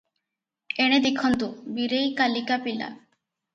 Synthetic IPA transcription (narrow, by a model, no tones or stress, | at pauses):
eɽ̃ed̪ekʰɔnt̪ubiɾejkalikapila̰